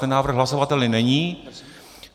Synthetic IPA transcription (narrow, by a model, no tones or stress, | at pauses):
ɛnːaːvr̩ɣɦlaso̞vat̪ɛlɪnɛɲiː